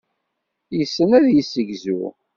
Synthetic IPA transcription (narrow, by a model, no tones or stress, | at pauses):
jəsːənæðjəsːəʝzṵ